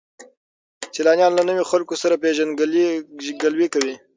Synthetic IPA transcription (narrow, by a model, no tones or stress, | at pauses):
selɑnjɑnlanəwixalkosaɾapeʒanɡlɡalwekawi